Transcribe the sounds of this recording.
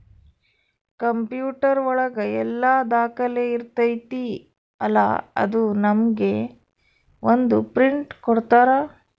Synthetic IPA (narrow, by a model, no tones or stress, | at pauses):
kɐmpjuːʈɐɾɔɭɐɡɐɛlːaːd̪aːkɐleːiɾt̪ɐjt̪i | ɐlːa̰ɐ̰d̪unɐmɡe̞ | ʋond̪upɾiɳʈkɔɽt̪aːɾaː